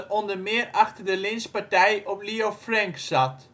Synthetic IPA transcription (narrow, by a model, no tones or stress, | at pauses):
rɔndərmɪərɑxtərdəlɪnspaɹtɛjɔpliofrɛŋksɑt